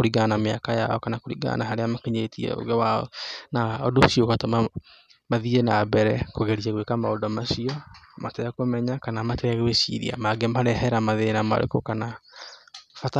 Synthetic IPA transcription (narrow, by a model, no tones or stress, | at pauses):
oɾiɣanamea̰kaja̰ɔkanakoɾiɡa̰naɦaɾeamakeɲetiɛ̰o̰ɣɛwaɔ̰naɔdoʃiokatoma | maðienabɛɾɛkoɣeɾiɛɣwekamaodɔmaɕiɔmatɛakomɛɲakanamateɣeweʃḭɾḭa̰maɡɛmaɾɛhɛɾamaðenama̰ɾḛkokana | fata